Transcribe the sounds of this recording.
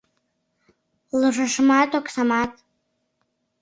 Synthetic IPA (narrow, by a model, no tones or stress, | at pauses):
lɨʐaʂmatʰʼokʰʼsamatʰʼ